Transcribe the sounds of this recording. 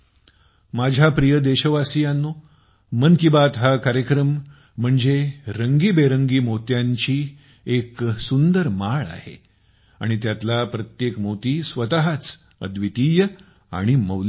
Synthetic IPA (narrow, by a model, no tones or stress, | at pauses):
mad͡ʑʱapɾijəd̪eɕəʋasijanːo | mənkibat̪ɦakaɾjəkɾəm̤ː | əɳd͡zeɾəŋɡiːbeɾəŋɡiːmot̪jaɲt͡ɕiː | eksund̪əɾmaɭa̰hḛ | a̰ɽ̃it̪jat̪lapɾət̪jekmot̪iːsʋət̪aɦat͡s | ə̰d̪ʋit̪iːjə | a̰ɽ̃iməwl